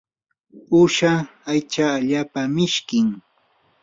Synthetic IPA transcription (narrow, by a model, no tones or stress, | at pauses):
ʊʃaajt͡ʃaːʎaːpamɪʃkɪŋ